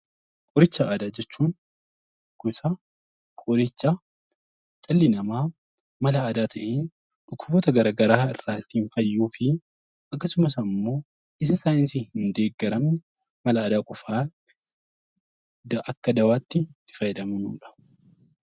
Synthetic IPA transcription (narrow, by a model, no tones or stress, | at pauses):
kʼɔɾɪt͡ʃːɐaːd̪aːd͡ʒɛt͡ʃːuːn | kʊsɐ | kʼɔɾɪt͡ʃːa | ᶑ̪̥ɐlːɪnɐmaː | mɐlɐːd̪aːt̪ʰɐʔeːn | ᶑʊkʰːʊbɔːt̪ɐɡɐɾaɡɐɾaːɪrːaːt̪ːiːnfɐjːuːfɪ | ʔɐkːɐsʊmɐsɐmːo̞ː | ʔɪs̬ɐsaːjɪnsihhɪnd̪e̞ːɡːɐɾɐmnɛ | mɐlɐːd̪aːkʼɔfaː | d̪ʔɐkːɐd̪ɐwaːt̪ːɪt̪ːɪ̥fɐjɛd̪ɐmʊnuːᶑɐ̥